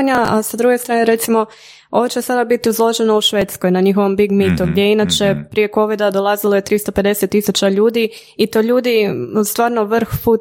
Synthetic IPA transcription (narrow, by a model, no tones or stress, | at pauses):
ɲaa̰sad̪ɾuɡest̪ɾaːneɾe̞t̪simo̞ | o̞ʋot͡ɕesad̪abit̪iuzlˠo̞ʒe̞no̞uʃʋeːt̪skojnaɲixo̞ʋo̞mbiɡmit̪uɡd̪jejinat͡ʃe̞pɾije̞ko̞ʋid̪ad̪o̞lˠazilˠo̞je̞t̪ɾist̪o̞pe̞d̪e̞set̪ːisut͡ɕaʎuːd̪i | it̪o̞ʎuːd̪ist̪ʋaːɾnoʋr̩ɾ̩xpu